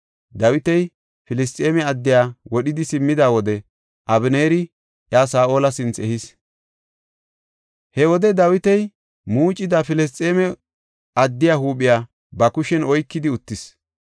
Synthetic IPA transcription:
d̪ɐwɪt̪ɛj | fɪlɪs̬t̪ʼe̞ːmɛɐd̪ːɪjaːwɔɗɪd̪ɪsɪmːɪd̪aːwɔd̪ɛ | ʔɐbɪneːɾɪ | ʔjaːsaːʔoːlɐsɪnt͡sɛhɪs | hɛwɔd̪ɛd̪ɐwɪt̪ɛj | muːt͡ʃʼːɪd̪afɪlɛs̬t̪ʼeːmɛ | ɐd̪ːɪjaːhuːɓɪjaː | bɐkʊʃɛnɔjkːɪd̪ɪʊt̪ːɪs

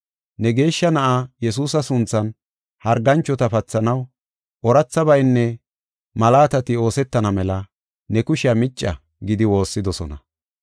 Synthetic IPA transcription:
nɛɡe̞ːʃːɐnɐʔajɛs̬uːsɐsʊnt͡sːɐn | hɐɾɡɐnt͡ʃːɔt̪ɐpɐt͡sːɐnɐw | ʔɔɾɐt͡sːɐbɐjnːɛ | mɐlaːt̪ɐt̪ɪo̞ːsɛt̪ːɐnɐmɛlɐ | nɛkʊʃɪjɐmɪt͡ʃʼːɐ̰ | ɡɪd̪ɪwo̞ːsːɪd̪ɔsɔ̰nɐ̰

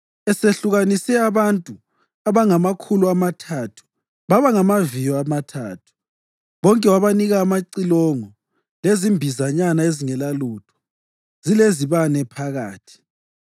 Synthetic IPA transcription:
ɛseɬuɣanisɛaβantʼu | aβaŋamakʰuluamatʰatʰu̥ | βaβaŋamavijɔamatʰaːtʰu̥ | βɔŋkʼɛwaβaniɣaːmaǀilɔŋɔ | lezimbʱizaɲanaeziŋɛlalutʰɔ̥ | z̥ileziβanɛpʰaɣa̰ːtʰi̥

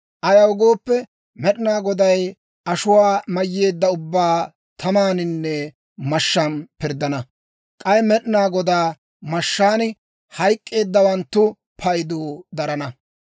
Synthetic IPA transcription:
ʔɐjɐwʊɡo̞ːpːɛ | mɛɗɪnaːɡɔd̪ɐj | ʔɐʃʊwaːmɐjːe̞ːd̪ːɐʊbːaː | t̪ʰɐmaːnɪnːɛ | mɐʃːɐnpɪɾd̪ɐnɐ | kʼɐjɛmɛɗɪnaːɡɔd̪aː | mɐʃːaːnɪ | hɐjkʼːe̞ːd̪ːɐwɐnt̪ːʊ | pʰɐjd̪oːd̪ɐɾɐnɐ

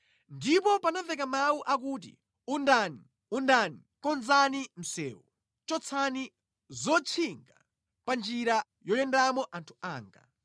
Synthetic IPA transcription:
ndipɔpanavɛk̬amawuʔak̬uːt̬ḭ | undani | undanikɔnzanim̩sɛ̰ːwɔ | t͡ʃɔt͡sʰani | zɔt͡ʃʰiŋɡa̰ | pand͡ʒiɾa | jɔjɛndamɔʔantʰu̥aːŋɡa̰

